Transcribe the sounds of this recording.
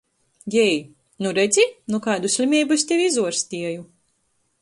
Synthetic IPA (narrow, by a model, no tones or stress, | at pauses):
ɡʲɛj | nuɾɛd̪zʲinukaːd̪usʲlʲimʲiːbusʲt̪ʲewizuɔɾst̪ʲiɛju